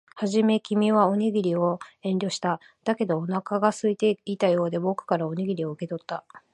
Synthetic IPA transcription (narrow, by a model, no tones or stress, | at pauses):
haʑime̞kʲimʲiβao̞ɲʲeɡʲiɾʲio̞ẽ̞nʲɾʲo̞ːɕi̥t̪a | d̪̥ake̞d̪o̞ːnakaɡasɨit̪e̞it̪ajo̞ːd̪e̞bo̞kɯ̟̥kaɾaoɲeɡʲiɾʲio̞ɯ̟ke̞t̪o̞t̪ːa